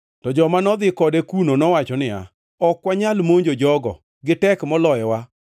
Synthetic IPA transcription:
tɔd͡ʒɔmanɔd̪ɪkɔdɛkunonɔwat͡ʃɔnɪa̰ | ɔkwaɲalmoɲd͡ʒod͡ʒɔɡɔ̰ | ɡɪtɛkmɔlɔjɛwa

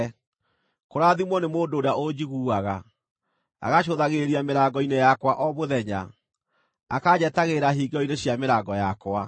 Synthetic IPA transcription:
koɾaðimwɔnemoːdoːɾaod͡ʑiɣuaɣa | a̰ɣaɕoðaɣeɾiameɾaɡɔinejakwaʔɔβoðɛɲa̰ | akad͡ʑɛtaɣeɾaɦiɡeɔineɕjameɾaɡɔjakwa

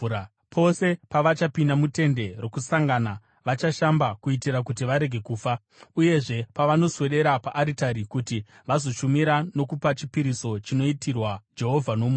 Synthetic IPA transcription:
pʰo̞se̞paʋat͡ʃapinamute̞nde̞ro̞kusaŋɡana | ʋat͡ʃaʃambakuitiɾakutiʋaɾe̞ɡʱe̞kuːfa | uje̞ʐe̞paʋano̞swe̞ɗe̞ɾapaʔːɾitaɾikuti | ʋazo̞ʃumiɾano̞kupat͡ʃipiɾiso̞t͡ʃino̞itirwad͡ʒe̞ɦo̞vʱanomː

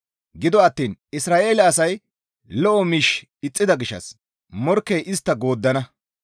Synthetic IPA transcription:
ɡɪd̪ɔɐt̪ːiːnɪsɾaːʔe̞ːlɐːsɐj | lɔʔɔmiːʃ | ɪt͡sʼːɪd̪ɐɡɪʃːɐ̰s | mɔɾkːɛjʔɪst̪ːɐɡo̞ːd̪ːɐnɐ

